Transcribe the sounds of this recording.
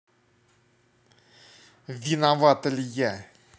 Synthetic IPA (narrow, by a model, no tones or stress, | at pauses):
vʲɪnavat̪əlʲjæ